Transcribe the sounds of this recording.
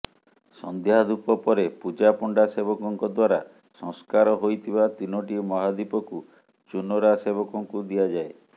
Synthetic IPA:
sɔ̰nd̪jaɦad̪upɔpɔɾepud͡ʒapuɳɖasebɔkɔŋkɔd̪waɾa | sɔ̃ŋskaɾɔɦojt̪ʰibat̪inɔʈimɔɦad̪ipɔku | t͡ʃunɔɾaseβɔkɔŋkud̪ijad͡ʒae

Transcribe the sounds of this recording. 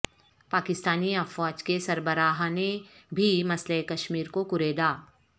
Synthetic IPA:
paːkɪst̪aːniɐfaːd͡ʒkesɐɾbəɾaːɦnẽbʱimɐsleekɐʃmiːɾkokʊɾeːd̪aː

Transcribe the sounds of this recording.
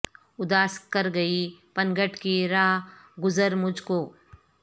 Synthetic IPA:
ʊd̪aːskɐɾɡɐipɐ̃nɡəʈkiɾaːɦɡʊzəɾmʊd͡ʒʱkoː

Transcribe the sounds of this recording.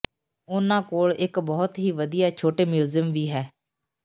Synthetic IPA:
ʊnãːkoːɭɪkbɔːt̪ɦiːʋəd̪ɪjaːt͡ʃʰoːʈeːmjuːzjəmʋiːɦɛː

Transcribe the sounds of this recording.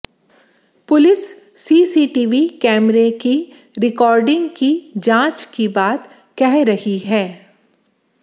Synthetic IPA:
pʊlɪsː | iːsiːʈiːʋikɛːmɾeki | ɾɪkɔːɾɖɪ̃ŋɡkid͡ʒãːt͡ʃkibaːt̪ | kɛɦɾɐhiɦɛː

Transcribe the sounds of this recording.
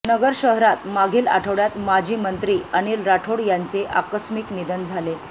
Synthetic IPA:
nəɡəɾɕəɦɾat̪maɡʱiːla̰ʈʰəʋɽjat̪mad͡ʑʱiːmənt̪ɾiːənilɾaʈʰoɽjant͡seʔakəsmiknid̪ənd͡zʱale

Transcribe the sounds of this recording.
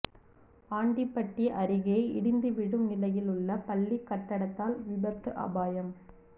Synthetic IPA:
aːɳɖipːɐʈːiʔɐɾɪɣɐɐɪɪ̰ɽɪnd̪ɯʋɪɽɯmɪlɐjɪlɯɭːɐpɐɭːikːɐʈːɐɽɐt̪ːaːlʋɪbɐɾt̪ɯʔɐ̰baːjɐm

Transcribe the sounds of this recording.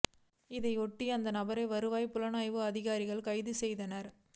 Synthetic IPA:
ɪðɐɪɔʈːiɐnd̪ɐnɐbɐɾɐɪʋɐɾɯʋaːjpʊlɐnaːjʋɯɐðɪɣaːɾɪɣɐɭkɐɪðɯsɛjðɐnɐɾ

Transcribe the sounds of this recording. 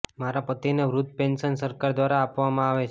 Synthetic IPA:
maɾapət̪ineʋɾud̪̚penʃənsəɾkaɾd̪ʋaɾaːpʋamãaʋet͡ʃʰ

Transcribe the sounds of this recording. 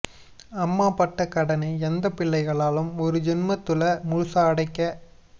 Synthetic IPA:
ɐmːaːpɐʈːɐkɐɽɐnɐɪɛnd̪ɐpɪɭːɐɪɣɐɭaːlɯmɔɾɯd͡ʒɪnmɐt̪ːɯlɐmʊɻsaɐɽɐɪkːɐ

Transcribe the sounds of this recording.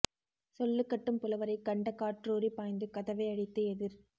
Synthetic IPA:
sɔlːɯkːɐʈːɯmpɪlɐʋɐɾɐɪkːɐɳɖɐkːaːʈɾoːɾipaːjnd̪ɯkɐðɐʋɐɪɐɽɪt̪ːɯɛðɪɾ

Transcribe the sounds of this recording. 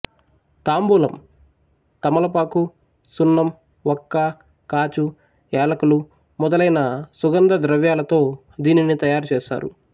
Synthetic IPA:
t̪aːmbuːlɐm | t̪ɐmɐlɐpaːku | sunːɐm | ɔkːɐ | kaːt͡ʃu | ɛːlɐkulu | mɔd̪ɐlɐjnɐsuɡɐnd̪ɐd̪ɾɐʋjaːlɐt̪o̞ː | d̪iːninit̪ɐjaːɾut͡ʃeːʃa̰ːɾṵ

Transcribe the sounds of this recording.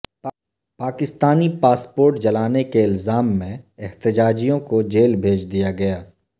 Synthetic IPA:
paːkɪst̪aːnipaːspoːɾʈd͡ʒɐlaːnekeɪlzaːmːẽɪɦt̪ɪd͡ʒaːd͡ʒijõkod͡ʒeːlbʱeːd͡ʒd̪ijaɡɐjaː

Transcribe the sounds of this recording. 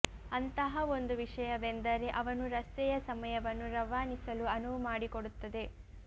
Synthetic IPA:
ɐnt̪ɐɦɐo̞nd̪uʋiʂɐjɐʋend̪ɐɾe̞ʔɐʋɐnuɾɐst̪ɛjɐsɐmɐjɐʋɐnːuɾɐʋaːnisɐluɐnumaːɽikoɽut̪ːɐd̪e̞

